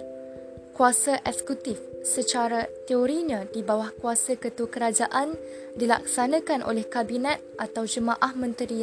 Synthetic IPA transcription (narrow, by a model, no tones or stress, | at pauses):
kuasaʔɛksə̥kut̪ifsət͡ʃaɾat̪eoɾiɲãdibawahkuasakət̪uwakəɾad͡ʒaʔan | dila̰k̚sanə̃kanʔo̰lɛhkabinɛt̪̚ʔat̪awd͡ʒəmãʔahmə̃nt̪əɾia